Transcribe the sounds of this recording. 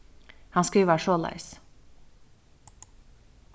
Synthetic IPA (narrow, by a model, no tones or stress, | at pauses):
hɑnskɑuːʋæːɾʃoːlɑ̰ɪs